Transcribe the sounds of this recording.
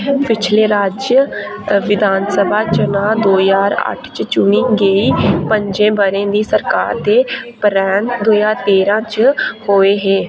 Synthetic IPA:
pɪt͡ʃʰleːɾaːd͡ʒjə | ʋɪd̪ʱaːnsəbʱaːt͡ʃənãːd̪oːjaːɾə̰ʈʰt͡ʃt͡ʃʊniːɡeːiːpəɲd͡ʒẽːbəɾẽːd̪iːsəɾkaːɾt̪eːpɾɛːɳd̪oːjaːɾt̪eːɾãːt͡ʃhoːeːɦeː

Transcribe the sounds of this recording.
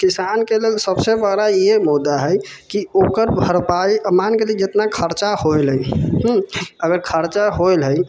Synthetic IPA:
kisankelelsəbsebəɾajemud̪ːaɦəjkiokəɾbʱəɾpaiəmankeled͡ʒet̪nakʰəɾt͡ʃaholɦəjɦəɡəɾkʰəɾt͡ʃaɦojlɦəj

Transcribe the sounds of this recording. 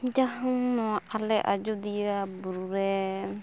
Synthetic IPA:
d͡ʒaɦaŋnɔwaʔalɛʔa̰d͡ʒud̪ijabuɾuɾɛ

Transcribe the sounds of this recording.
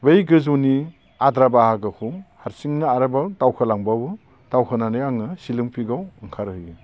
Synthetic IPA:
bejɡɯzuni | adɾabahaɡɯkʰuhaɾsiŋnaaɾɯbatawkʰɯlaŋbabɯ | tawkʰɯnanɯjaŋɯsilɯŋpʰiɡawɯŋkʰaɾɯjɡi

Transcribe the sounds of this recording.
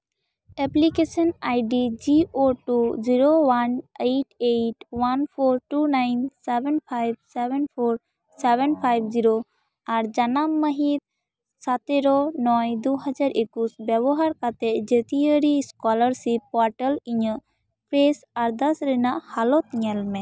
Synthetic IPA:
ɛplikesɔnajɖid͡ʒiʔoʈud͡ʒiɾowanejʈeʈwanpʰoɾʈunajnsɛbɛnpʰajb̚sɛbɛnpʰoɾ | sɛbɛnpʰajbd͡ʒiɾo | aɾd͡ʒanamːəɦit̪̚ | sat̪eɾonɔjd̪uɦəd͡ʒaɾʔekusbjɛbɔɦaɾkat̪ɛʔd͡ʒət̪iəɾiskɔləɾsipːɔɾʈəliɲəʔ | pɾesaɾd̪ɐsɾɛnaʔhalɔt̪iɲɛlmɛ̃

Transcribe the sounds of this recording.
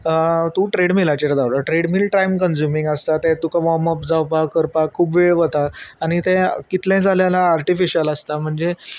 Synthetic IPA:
t̪ũʈɾeɽmilat͡ɕeɾd̪awɽəʈɾeɽmiːlʈɾajmkənd͡ʑumĩŋɡəst̪at̪ɛ̃t̪ukaʋɔməpd͡zawpakəɾpakkʰːuːpʋeɭʋət̪aaɽ̃it̪ɛ̃kit̪lɛ̃d͡zʱaljalaːɾʈifiɕiəlast̪am̤əɳd͡ze

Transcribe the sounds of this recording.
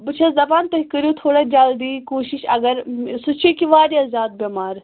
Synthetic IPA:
bɨt͡ʃʰazɐbaːnt̪ɐɦikəɾjot̪ʰoːɽad͡ʒaːld̪iːkoːʃiʃɐɡɐɾsut͡ʃʰikiʋaːɾjaːzʲjaːd̪̚bemaːɾ

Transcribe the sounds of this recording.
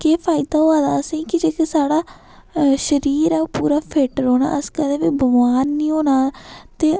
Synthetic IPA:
keːpʰaːɪd̪aːɦoːaːd̪aːəsĩːkɪd͡ʒeːkesaːɽaː | ʃəɾiːɾɛːpuːɾaːpʰeːʈɾoːna̰ːʔəskəd̪eːʋiːbəʋaːnːĩːɦoːnaːt̪eː

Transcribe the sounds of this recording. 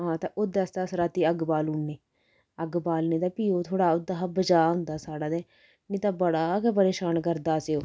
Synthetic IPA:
ɦãːt̪aʔʊd̪ɐst̪asɾaːt̪iːɐɡbaːluːnːeː | ɐɡbaːlneːd̪aːpiːoːt̪ʰoːɽaːʊd̪aɦabəd͡ʒaːnd̪aːsaːɽaːd̪ɛ | nit̪abəɽaːkɛp̬əɾeːʃaːnkəɾd̪aːseoː

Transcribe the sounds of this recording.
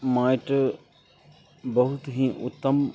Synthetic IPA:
maːɪʈ | bɐɦʊt̪ɦĩːʔʊ̰t̪ːəm

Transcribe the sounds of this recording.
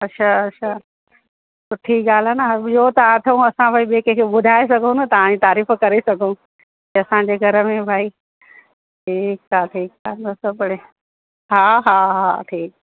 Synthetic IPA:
ɐtːʃʰaɐʃʰa | sʊʈʰiɠaːl̤anəijot̪ɐãt̪ʰiũɐsãbʱaːiɓeːkekʰeːɓʊd̪ʱaːes̬ɐɡʱõnɐt̪ɐʋ̤ãd͡ʑit̪aːɾiːfkɐɾesɐɡʱũ | kiɐsãɲ̆d͡ʑeɡʱɐɾəmẽbʱaːi | ʈʰiːkaːʈʰiːkaːnɐsəbɐɽe | ɦaːɦaːɦa̰ːʈʰiːk̚

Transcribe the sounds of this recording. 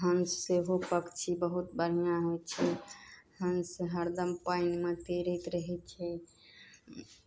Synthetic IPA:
ɦəmseɦopəkt͡ʃʰibəɦut̪bəɽ̤ijãɦojt͡ʃʰɛɦəmseɦəɾd̪əmpaɪnmet̪eɾət̪ɾəɦɛt͡ʃʰɛ

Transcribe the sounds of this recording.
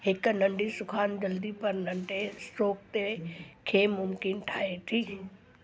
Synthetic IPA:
hɪknɐ̃ɳɖisʊkʰaːnd͡ʑɐld̪ipɐɾnɐ̃ɳɖesʈoːk̚t̪ekʰeːmʊmkɪnʈʰaːɦet̪ʰiː

